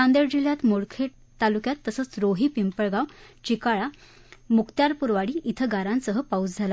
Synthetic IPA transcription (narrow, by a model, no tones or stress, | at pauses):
ãnd̪eɾd͡ʑiljat̪moɽkʰeʈ̚ | t̪alukjat̪ːəsət͡sɾoɦiːpimpəɭɡaw | t͡ɕikaɭa | mukt̪jaɾpuɾʋaɽiːʔit̪ʰəɡaɾãnsəɦəpaud͡zd͡zʱala